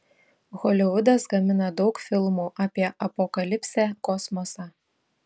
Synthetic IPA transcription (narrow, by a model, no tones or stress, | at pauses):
ɣɔlʲɪʋʊd̪ɐsɡɐmʲɪnɐd̪ɒʊkfʲɪlˠmuːʔaːpʲiɛʔɐpɔkɐlʲɪpʲsʲækɔsmɔsɑ